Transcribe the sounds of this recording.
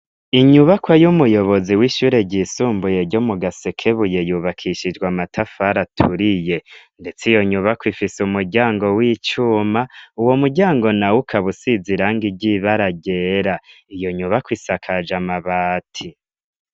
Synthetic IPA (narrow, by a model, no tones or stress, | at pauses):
iɲuβakwajumujo̞βo̞ziwiʃuːɾe̞ɟiːsuːmbuje̞ɾɟo̞muɡasekʰe̞βuje̞juːβakʰiʃid͡ʒɡwamatʰafaɾatʰuɾije̞ | nde̞t͡sijo̞ɲuβakwifisumuɟaːŋɡo̞wit͡ʃumauwo̞muɟaːŋɡo̞nawukʰaβusiziɾaːŋɡiɟiβaɾaɟe̞ɾa | ijo̞ɲuβakwisakʰad͡ʒamaβaːtʰi